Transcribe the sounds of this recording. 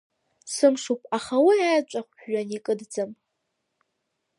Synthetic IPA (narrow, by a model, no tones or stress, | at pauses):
sɨmʂupʼʰaχawiajt͡ʃʷʼaχʷɥanikʼɨdd͡zɨm